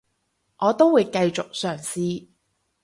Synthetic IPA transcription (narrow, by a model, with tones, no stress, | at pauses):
ʔɔː˨˧t̪o˥wwuː˨˧jkɐ˧jt͡sʊ˨k̚sœː˨˩ŋsiː˥